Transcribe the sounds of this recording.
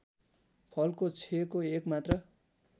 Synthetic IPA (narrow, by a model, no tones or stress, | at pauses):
pʰʌlkot͡sʰekoekmat̪rʌ